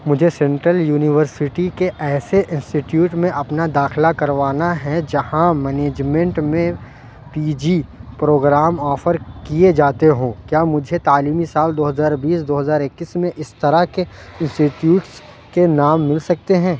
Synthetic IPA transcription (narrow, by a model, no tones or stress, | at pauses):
mʊd͡ʒʱesɛ̃ɳʈɾəljuːnɪʋəɾsɪʈikeʔɛːseʔɪ̃nsʈɪʈjuːʈmẽʔɐpnad̪aːxɪlakɐɾʋaːnaɦɛd͡ʒɐhãmɛːneːd͡ʒmɛ̃ɳʈmẽ | piːd͡ʒipɾoːɡɾaːmɔːfəɾkied͡ʒaːt̪eɦõːkjaːmʊd͡ʒʱet̪aːliːmisaːld̪oːɦɐzaːɾbiːsd̪oːɦəzaːɾɪkːismẽʔɪst̪ɐɾake | ɪ̃nsʈiʈjuːʈs | kenaːmːɪlsɐk̚t̪eɦɛ̃ː